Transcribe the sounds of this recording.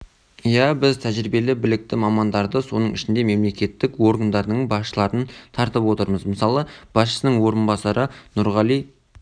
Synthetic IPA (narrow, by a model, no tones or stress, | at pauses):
jæbɪzt̪ʰæʒɾibe̞lɪbɪlɪk̚t̪ɪmɑmɑnd̪ɑɾd̪əso̞nəɴɪʃɪnd̪e̞me̞mle̞kʲe̞t̪ːɪkwo̞ɾɡand̪ɑɾd̪əɴbɑsʃəlˠɑɾənt̪ʰɑɾt̪əpwo̞t̪əɾməzməsɑlˠəb̥ɑsʃə̥sənəɴwo̞ɾənbɑsɑɾənʊɾʁɑlˠij